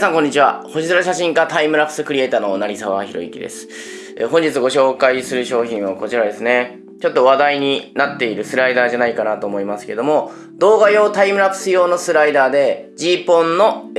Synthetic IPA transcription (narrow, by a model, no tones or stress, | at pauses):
sãŋkõ̞ɲ̟ːit͡ɕiβa̰ho̞ʑizɨɾaɕaɕĩŋkat̪aimɯ̟ɾapɯ̟̥sɨkɯ̟ɾʲie̞ːt̪aːno̞naɾʲisaβaçiɾo̞̰ḭkʲḭd̪e̞̰sɨ̥ | eɦõɲ̟d͡ʑit͡sɨɡo̞ɕo̞ːkaisɨɾɯ̟ɕo̞ːçĩɰ̃βako̞t͡ɕiɾad̪e̞sɨne̞ | t͡ɕo̞t̪ːo̞βad̪aiɲ̟inat̪ːe̞iɾɯ̟sɨɾaid̪aːʑanaikanat̪o̞ːmo̞imasɨ̥ked̪o̞mo̞ | d̪o̞ːɡajo̞ːt̪aimɯ̟ɾapɯ̟̥sɨjo̞ːno̞sɨɾaid̪aːd̪e̞d͡ʑiːpõ̞nːo̞